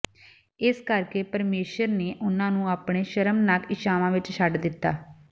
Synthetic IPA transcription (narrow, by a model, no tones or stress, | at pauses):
ɪskəɾkeːpəɾmeːʃəɾneːʔʊnãːnũːaːpɳeːʃəɾəmnakɪʃaːʋãːʋɪt͡ʃʃʰəɖd̪ɪt̪ːaː